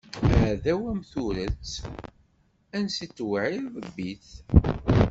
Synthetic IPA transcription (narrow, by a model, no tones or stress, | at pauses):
ʕðæwæmθuɾət͡sː | ænsit͡sːwʕiɾðəbːiθ